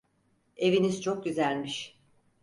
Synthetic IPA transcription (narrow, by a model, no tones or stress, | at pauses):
e̞viniz̥t͡ʃʰo̞k̚ɟyzælʲmiʃ